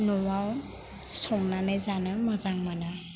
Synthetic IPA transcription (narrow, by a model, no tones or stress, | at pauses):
nɔwaw | sɔmnanajzanamɔzaŋmana